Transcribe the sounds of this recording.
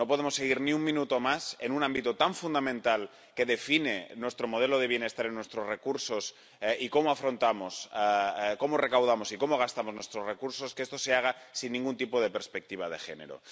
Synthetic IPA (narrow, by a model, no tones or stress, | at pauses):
nopo̞ð̞emosːeɣ̞iɾniuŋmĩnut̪omasenunãmbit̪ot̪aɱfund̪amẽnt̪al | ke̞ðe̞finenwest̪ɾomoð̞eloð̞eβ̞jene̞st̪aɾenːwe̞st̪ɾozrekuɾsos | iko̞moafɾo̞nt̪amosako̞morekawð̞amosikomoɣ̞ast̪amoznwe̞st̪ɾozrekuɾsoskest̪oseaɣ̞asinːĩŋɡunt̪ipoð̞e̞peɾspek̚t̪iβ̞aðe̞xe̞̰nḛɾo̰